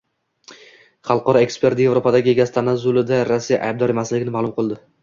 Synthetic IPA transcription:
χɑlˠqɒɾɒe̞kspʰe̞ɾt̪ɪje̞vɾopʰad̪aɡʲɪeɡʲast̪ʰanazʊlɪd̪aɾasːija̰ʔa̰jb̚d̪ɒɾe̞maslɪɡʲɪnɪmaːlˠʊmqʰɨlˠd̪ɪ

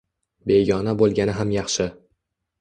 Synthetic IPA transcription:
be̞ɡʲɒnabolˠɡʲanɪɦamjɑχʃɪ

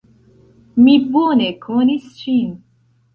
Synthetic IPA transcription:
miboːnekʰonist͡ʃin

